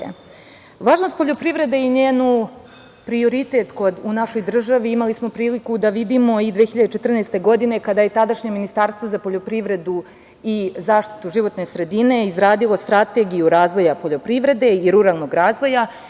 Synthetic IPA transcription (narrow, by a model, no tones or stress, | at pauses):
ʋaːʒnost̪po̞ʎo̞pɾivɾe̞d̪eiɲeːnu | pɾio̞ɾit̪e̞t̪ko̞d̪unaʃo̞jd̪r̩ʒaʋiimalismo̞pɾiːlikud̪aʋid̪imo̞id̪ʋexçiʎad̪et͡ʃet̪r̩nejst̪e̞ɡo̞d̪ine̞kad̪aje̞t̪ad̪aʃɲe̞minist̪aɾst̪ʋozapo̞ʎo̞pɾiʋɾe̞d̪u | izaːʃt̪i̥t̪uʒiʋo̞t̪ne̞sɾe̞d̪ine̞izɾaːd̪ilˠo̞st̪ɾat̪e̞ɡijuɾaːzʋo̞japo̞ʎo̞pɾiʋɾe̞d̪e̞iɾuɾaːlˠno̞ɡɾaːzʋo̞ja